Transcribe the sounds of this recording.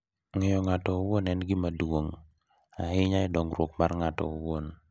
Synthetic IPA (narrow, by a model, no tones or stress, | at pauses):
ŋɪjɔŋatɔwonɛnɡɪmadwoŋ | aɦɪɲaɪdɔŋɾwokmarŋatɔ̰owon